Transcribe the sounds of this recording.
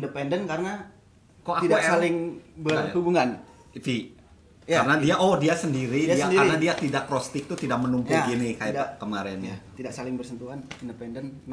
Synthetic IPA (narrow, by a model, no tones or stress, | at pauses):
ndəpɛndənkaɾəna | koaidasalɪŋbərhubuŋan | fi | aɾənadiaʔodiasəndiɾidiakɾnadiat̪idak̚pɾost̪ɪk̚t̪ut̪idak̚mənumpʊɡinikajjakəmaɾɛnɲat̪idaʔsalɪŋbərsənt̪uanindəpɛndənn